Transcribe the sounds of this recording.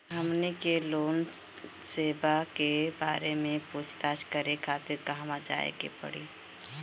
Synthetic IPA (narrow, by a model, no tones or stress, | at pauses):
ɦəmnikeloːn | seːbakeba̰ːɾemẽput͡ʃʰt̪at͡ʃkəɾekʰaːt̪ɪɾkaɦmãd͡ʒa̰ːḛkḛpə̰ɽiː